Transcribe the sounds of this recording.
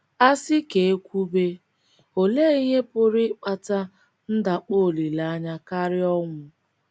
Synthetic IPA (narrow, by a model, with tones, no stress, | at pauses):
a˦sɪ˦ke˨e˦kʷu˦be˦ | o˨le˦i˦ɦe˦pʊ˦ɾɪ˦k͡pa˦˨ta˦ | n̩˦da˨k͡po˦˨li˨la˦ɲa˦ka˦ɾɪ˦ɔ˦ŋʷʊ˦